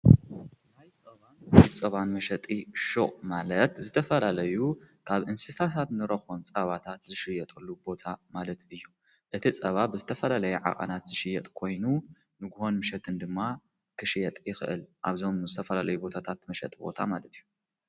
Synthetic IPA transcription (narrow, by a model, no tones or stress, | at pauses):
ajt͡sʼɐβanjt͡sʼɐβanmɐʃɐt̪ʼiʃoʔʼmalɐt̪zɨt̪ʰɐfɐlalɐjukʰaβɨnsɨt̪ʰas̬ʰat̪nɨɾɐxont͡sʼɐβat̪ʰat̪zɨʃɪjɛt̪ʼɐlːubo̞t̪ʰamalɐt̪ɨjːu | ʔɨt̪ʰit͡sʼɐβabɨzɨt̪ʰɐfɐlalɐjɛʕa̰qʼɐ̰nat̪z̥ɨʃɪjɐt̪ʼkʰo̞jnu | nɨɡuho̞nmɨʃɛt̪ʰɨnd̪ɨmːa | kʰɨʃɪjɛt̪ʼjɪxɨ̰ʔɨ̰lʔa̰βzo̞mzɨt̪ʰɐfɐlalɐjubo̞t̪ʰat̪ʰat̪mɐʃɛ̰t̪ʼibo̞̰t̪ʰamalɐt̪ʰijːu